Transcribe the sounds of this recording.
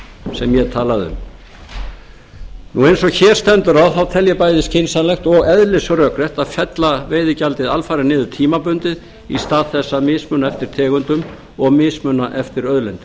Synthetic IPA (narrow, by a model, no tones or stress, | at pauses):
sɛmjɛðt̪ʰaːlaðʏ̰m | nuejnsɔçɛːɾ̥st̪ɛnt̪ʏɾawθawt̪ʰɛljapaːjðɪscʰɪnsanlɛxt̪ɔɣɛðlɪsɾœkɾɛht̪aðfɛt̪laveːjðɪcalt̪ɪðalfajɾɪnɪːðʏ̥t̪ʰiːmapʏnt̪ɪð | ḭst̪aːðθɛsːamɪːsmʏnaɛft̪ɪɾ̥t̪ʰɛːɣʏnt̪ʏm | ɔɣmɪːsmœnaʔɛft̪ɪɾœðlɛjnt̪ʏ